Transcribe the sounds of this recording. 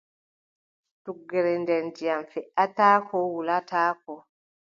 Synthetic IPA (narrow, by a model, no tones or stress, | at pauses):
tuɡːɛɾɛndɛndijanfɛʔataːkʰɔwulataːkɔ